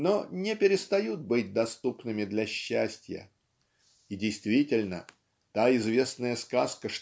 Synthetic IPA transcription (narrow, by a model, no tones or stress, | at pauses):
nonʲɪpʲɪɾʲɪst̪ɐjut̪̚bɨt̚ʲd̪ɐst̪upnɨmʲɪd̪lʲɐɕːæsʲtʲjə̰ | idʲɪjst̪vʲitʲɪlʲnə̰ | t̪aɪzvʲe̞snəjəskaskəʂ